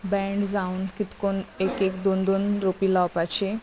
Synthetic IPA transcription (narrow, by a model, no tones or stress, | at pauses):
bɛ̃ɳɖd͡zaunkit̪konekekd̪ond̪onɾopilawpat͡ɕe